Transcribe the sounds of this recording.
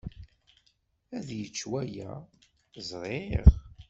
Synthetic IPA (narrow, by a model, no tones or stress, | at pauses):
æðjət͡ʃːwæjæ̰ | zˤɾˤeʁ